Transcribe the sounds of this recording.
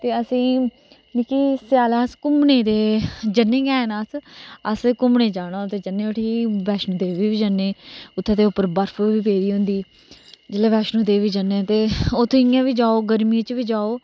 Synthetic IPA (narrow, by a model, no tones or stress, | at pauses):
t̪eːəsĩː | niːkiːsjaːlaːskʊmneːd̪eːd͡ʒənːẽːɡɛːnasəskʊmneːd͡ʒaːɽãːt̪eːd͡ʒənːeːoʈʰiːʋɛːʃnũːd̪eːʋiːʋiːd͡ʒanːeːʊt̪ʰːẽːd̪eːʊpːəɾbəɾfuʋiːpeːɾiːɦʊ̃nd̪iː | d͡ʒɪleːʋɛːʃnũːd̪eːʋiːd͡ʒənːeːt̪eːoːt̪ʰːɪjãːʋiːd͡ʒaːoːɡəɾmĩt͡ʃʋiːd͡ʒaːoː